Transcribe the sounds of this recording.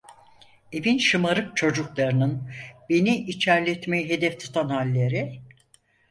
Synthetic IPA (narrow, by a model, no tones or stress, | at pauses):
e̞vinʃɯmaɾɯk̚t͡ʃʰo̞d͡ʒuklˠaɾɯnɯnbe̞niit͡ʃʰæɾlʲɛt̪mejiɦe̞d̪ɛft̪ʰu̥t̪ʰanhalʲːe̞ɾi